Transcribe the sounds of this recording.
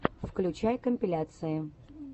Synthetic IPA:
fklʲʉt͡ɕajkəmʲpʲɪlʲat̪sɨjɪ

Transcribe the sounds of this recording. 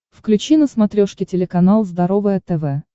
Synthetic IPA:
fklʲʉt͡ɕinəsmɐt̪ɾʲoʂkʲɪtʲɪlʲɪkɐnalˠzd̪ɐɾovɨjət̪ɛvɛ

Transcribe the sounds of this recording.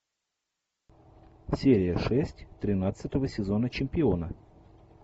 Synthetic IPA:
sʲeɾʲɪjəʂɛsʲtʲt̪ɾʲɪnat̪sɨt̪əvəsʲɪzo̞nət͡ɕɪmʲpʲɪo̞nə

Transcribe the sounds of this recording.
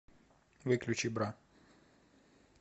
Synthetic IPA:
vɨklʲʉt͡ɕibɾa

